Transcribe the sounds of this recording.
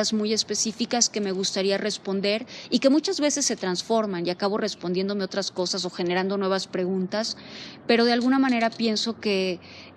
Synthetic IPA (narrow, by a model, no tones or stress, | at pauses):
azmuje̞spe̞sifikaske̞me̞ɣust̪aɾiare̞spo̞nd̪e̞ɾike̞mut͡ʃazβe̞se̞sːe̞t̪ɾansfo̞ɾmaniakaβo̞re̞spond̪je̞nd̪o̞meo̞t̪ɾasko̞sas̬o̞xe̞ne̞ɾand̪o̞nwe̞β̞aspɾe̞ɣ̞ũnt̪aspe̞ɾo̞ðe̞alɣunamãne̞ɾapje̞nso̞ke̞